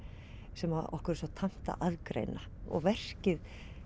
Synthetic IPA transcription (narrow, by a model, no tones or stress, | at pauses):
sɛmaɔ̰hkʏɾsɔt̪ʰan̥t̪a̰ʔaðkɾḛjnaɔ̰ɣvɛr̥cɪð